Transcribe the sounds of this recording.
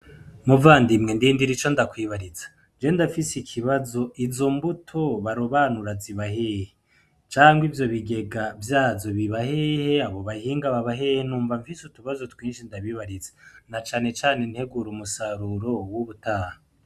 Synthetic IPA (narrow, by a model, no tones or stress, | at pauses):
muvaːndimŋe̞ndiːndiɾit͡ʃo̞ndakwiːβaɾizḁ | d͡ʒe̞ndafisikʰiβazo̞izo̞mbutʰo̞βaɾoβaːnuɾaziβaheːhe | t͡ʃaːŋɡwivjo̞βiɡe̞ɡavjaːzo̞βiβahehe̞aβo̞βahiːŋɡaβaβaɦehenuːɱvaɱfisutuβazo̞twiːnʃindaβiβaɾizenat͡ʃaːne̞t͡ʃaːne̞nhe̞ɡuɾumusaɾuɾo̞wuβutaːha